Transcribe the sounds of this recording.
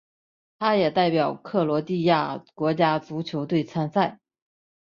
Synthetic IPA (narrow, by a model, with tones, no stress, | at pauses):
t̪ʰa˥jɛ˨˩t̪a˥˩ɪpjɑ˨˩ʊkʰɤ˥˩lwɔ˧˥t̪i˥˧ja˥˩kwɔ˧˥t͡ɕja˥t͡su˧˥t͡ɕʰjo˧˥ʊt̪we˥˩ɪt͡sʰa˥nsa˥˩ɪ